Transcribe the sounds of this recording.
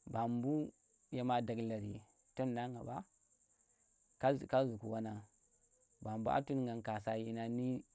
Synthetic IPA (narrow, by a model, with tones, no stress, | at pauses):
ba˨mbu˦ | ja˨ma˨da˨ɡla˨ɾḭ˨ | to˦nːa˦ŋɡa˨ba˦ | ka˦˨ka˦zu˨ku˨wa˦na˨ | ba˨mbu˦a̰˦tu˦n˦ŋɡa˨ŋka˨sa˦ji˦na˦ni˦